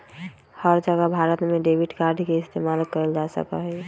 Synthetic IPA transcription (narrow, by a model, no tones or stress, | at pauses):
həɾd͡ʒəɡabʱaɾət̪mẽɖebiʈkaɾɖkeɪst̪emalkəɾəld͡ʒasə̰kə̰ɦɛ